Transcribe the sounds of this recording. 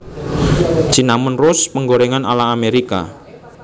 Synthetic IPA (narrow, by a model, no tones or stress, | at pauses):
t͡ʃinamənrʊspəŋɡoɾeŋana̰laːmeɾika̰